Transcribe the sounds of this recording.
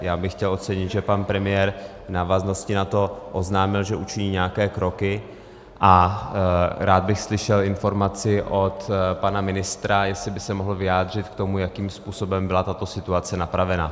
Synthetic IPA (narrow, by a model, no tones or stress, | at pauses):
jaːbɪxːcɛlo̞t̪t͡sɛɲɪt̪ʒɛpanpɾɛmɪjɛːɾ | vnaːvazno̞scɪnat̪o̞ʔo̞znaːmɪlʒɛʔut͡ʃɪɲiːɲɛakɛːkɾo̞kɪ | ʔa | ɾaːd̪̚bɪxslɪʃɛlɪnfo̞ɾmat͡sɪʔo̞t̪panamɪnɪst̪ɾajɛslɪbɪsɛmoɦl̩vɪjaːd̪r̝ɪt̪kt̪o̞mujakiːmspuːso̞bɛmbɪlat̪at̪o̞sɪt̪uat͡sɛnapɾavɛna